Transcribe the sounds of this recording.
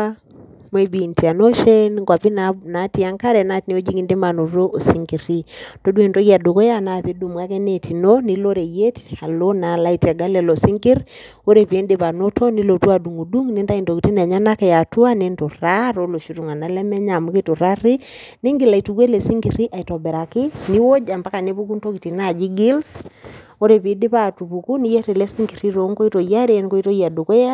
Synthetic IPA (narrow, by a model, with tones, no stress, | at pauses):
m˦e˨bi˨nti˨a˨no˦ʃe˦nŋka˨pi˦nana˨˦ti˦a˦ŋka˦ɾɛ˨na˦tne˨o˦d͡ʒi˦ŋi˨nde˦ma˨no˨ɾo˦ʔo˨si˦ŋɡi˨ɾi˦to˦de˨nto˦ɣa˨do˨ko˦ja˦˨na˨pi˦du˨mwa˦kɛ˦ne˨tʰi˨no˦ni˨lo˦ɾe˨je˦ta˨lo˦na˨la˦i˨tɛ˨ɡa˦lɛ˨lo˨si˦ŋɡɪ˦ɾ | o˦ɾe˨pe˨˦ndɪ˦pa˨no˦tʰo˦ni˦lo˨twa˦˨du˨ŋu˨du˦ŋni˦nta˦i˨nto˨ki˨ti˦na˨ɲa˦na˦kɛ˨ja˨tu˦a˦ne˦nto˨ɾa˦ɾo˦lo˨ʃu˦tu˨ŋa˨na˨˦lɛ˦mɛ˦ɲa˨mu˦ki˦to˨ɾa˦ɾɪ˦ | nɪ˦ŋɡɪ˨la˨i˨tu˨we˦le˨si˦ŋɡi˨ɾi˦ʔa˨i˨tɔ˨bɛ˨ɾa˨kɪ˦ni˦wo˦d͡ʒa˨mba˦ka˨ne˦pu˦k̬u˦nto˦ki˨ti˨na˦˨d͡ʒi˦ɡɪ˦lso˦ɾe˨pi˨˦dɪ˦pa˦˨tu˨pu˨ku˦ni˦je˦ɾi˨lɛ˦si˦ŋɡi˨ɾi˦ɾo˨˦ŋko˦i˦to˨ja˦ɾe˨nko˦i˦to˦ja˨do˨kɔ˦ja˦